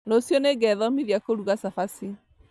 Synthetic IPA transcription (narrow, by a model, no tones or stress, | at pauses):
losjɔneɡɛðɔmiðjakoɾuɣasafasi